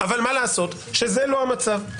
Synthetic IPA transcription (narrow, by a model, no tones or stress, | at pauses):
avalmalaːso̞t̪ | ʃe̞zelo̞ɦamat͡sav